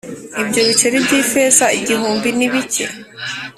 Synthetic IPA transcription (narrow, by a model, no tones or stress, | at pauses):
ibɟo̞βit͡ʃeɾebɟiːfeːzaiɟiɦuːmbiniβicḛ